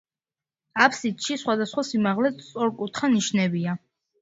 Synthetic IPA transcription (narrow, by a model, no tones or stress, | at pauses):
apʰsit̪ʼʃisχwad̪asχwasimaʁlɛt̪sʼɔɾkʼut̪ʰχaniʃnɛbia